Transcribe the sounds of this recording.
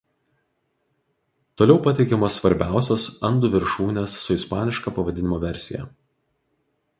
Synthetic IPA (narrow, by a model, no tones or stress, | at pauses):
t̪oːlʲɛʊpɐt̪ʲɛɪkʲɛmoːsːʋɐɾʲbʲæˑʊsʲoːsɐnd̪ʊʋʲɪɾʃuːnʲeːsːʊɪspɑːnʲɪʃkɑpɐʋɐd̪ʲɪnʲɪmoːʋʲɛɾʲsʲɪjɛ̰